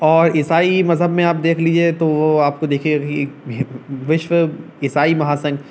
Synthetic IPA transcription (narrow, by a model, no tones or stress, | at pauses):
ɔːɾɪsaːimɐzɦəbmẽaːp̚d̪eːkʰliːd͡ʒiet̪oʋoaːp̚kod̪eːkʰeie | ʋɪʃʋə | ɪsaːimɐɦaːsɐ̃ŋɡ